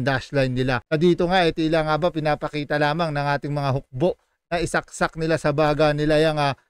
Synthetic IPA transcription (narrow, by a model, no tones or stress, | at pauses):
d̪aʃlajnːɪlaɐd̪iːt̪oŋaʔɛt̪ilaːŋabapɪnaːpɐkiːt̪ɐlaːmɐŋnɐŋʔaːt̪ɪŋmɐŋaɦʊk̚bo̞ʔ | nɐʔɪsɐk̚sak̚nɪlasɐbaːɡɐnɪlajaŋa